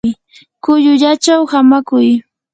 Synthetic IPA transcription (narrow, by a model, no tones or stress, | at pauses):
kʊʎʊʎat͡ʃawhamakʊj